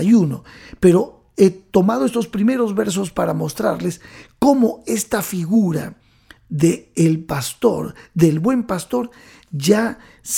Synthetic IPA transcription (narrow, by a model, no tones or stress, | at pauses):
juno̞pe̞ɾo̞ | et̪o̞mað̞oe̞st̪o̞spɾime̞ɾo̞zβe̞ɾs̬o̞spaɾamo̞st̪ɾa̰ɾle̞sko̞mo̞e̞st̪afiɣuɾa̰ | ðeːlpast̪o̞̰ɾðe̞lβwe̞mpast̪o̞ɾ | ʝa | s